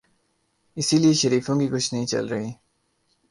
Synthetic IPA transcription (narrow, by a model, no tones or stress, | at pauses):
ɪsilieʃəɾiːfõːkikʊt͡ʃʰnɐɦĩt͡ʃɐ̰lɾɐɦiː